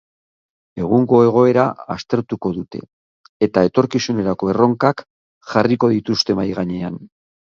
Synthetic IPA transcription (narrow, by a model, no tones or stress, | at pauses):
e̞ɣ̞uŋɡo̞e̞ɣ̞o̞e̞ɾaast̪e̞ɾt̪uko̞ðut̪e̞̰ː | t̪ae̞t̪o̞ɾkisune̞ɾako̞e̞ro̞ŋkak | xariko̞ðit̪ust̪e̞βajɣaɲe̞an